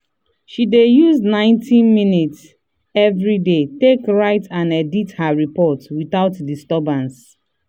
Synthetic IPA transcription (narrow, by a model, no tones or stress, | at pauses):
ʃidejuznãɪ̃ntĩnmĩnits | ɛvɹidetekɹaɪtãnɛdithaɹipɔtwiθaʊtdistɔbãns